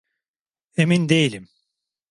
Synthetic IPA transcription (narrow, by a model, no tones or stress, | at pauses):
emind̪ejilʲim